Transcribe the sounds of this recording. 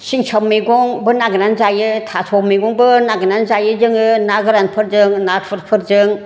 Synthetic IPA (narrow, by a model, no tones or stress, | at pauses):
siŋsʰawmiɡɔŋbɯnaɡɯnanzajɯtʰasʰɔmiɡɔŋbɯnaɡɯnanzajɯd͡ʒɯŋɯnaɡɯɾanpʰɯɾzɯŋnatpʰɯɾ̚pʰɯɾd͡ʒɯŋ